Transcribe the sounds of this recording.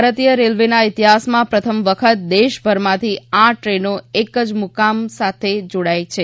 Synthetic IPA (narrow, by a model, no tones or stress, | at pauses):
ɾət̪ijəɾelʋenaɪt̪iɦasmãpɾət̪ʰəmʋəkʰət̪̚d̪eʃbʱəɾmãt̪ʰiaʈɾenoekəd͡ʒmukamsat̪ʰed͡ʒoɽajt͡ʃʰe